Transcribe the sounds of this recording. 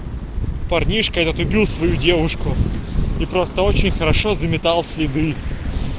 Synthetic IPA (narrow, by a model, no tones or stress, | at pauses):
pɐrnʲiʂkəɛt̪ət̪ʊbʲilˠsvɐjudʲe̞vʊʂkʊipɾo̞st̪əot͡ɕɪnʲxəɾɐʂozəmʲɪt̪ɑlˠsʲlʲɪd̪ɨ